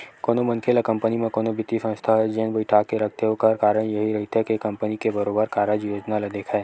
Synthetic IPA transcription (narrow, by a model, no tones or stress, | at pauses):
koːnomɐ̃nkʰeːlakɐ̃mpənimẽkoːnobɪt̪isə̃nst̪ʰaɦɛd͡ʒenbəɪʈʰaːkeɾɐkʰt̪eɦokɐɾkaːɾəɽ̃jɐɦiɾɐɦit̪ɦɛkekɐ̃mpənikebɐɾoːbəɾkaːɾəd͡ʒjoːd͡ʒnalɐd̪eːkʰaː